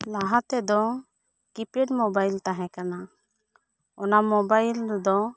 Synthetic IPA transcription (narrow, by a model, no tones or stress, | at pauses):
laɦat̪ɛd̪ɔ | kipɾɛɖmɔbajlt̪aɦɛ̃kana | ɔnamɔbajld̪ɔ